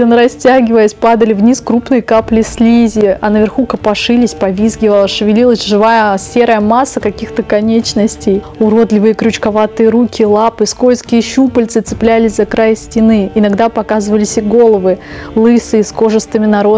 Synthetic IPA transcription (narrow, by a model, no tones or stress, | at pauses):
ɪnɾɐsʲtʲaɡʲɪvəjəsʲpad̪əlʲɪvnʲiskɾupnɨjkaplʲɪsʲlʲizʲɪɐnəvʲɪrxukəpɐʂɨlʲɪsʲpɐvʲizɡʲɪvəlˠəʂɨvʲɪlʲilˠəsʲʐɨvajəsʲe̞ɾəjəmasːəkɐkʲixt̪əkɐnʲet͡ɕnəsʲtʲej | ʊɾo̞d̪lʲɪvɨjəkɾʲʊt͡ɕkɐvat̪ɨjəɾukʲɪlˠapɨskojʲskʲɪjəɕupəlʲt̪sɨt̪sɨ̥plʲælʲɪsʲzɐkɾajsʲtʲɪnɨɪnɐɡd̪apɐkazɨvəlʲɪsʲɪɡo̞lˠəvɨlˠɨsɨːsko̞ʐɨst̪ɨmʲɪnɐɾo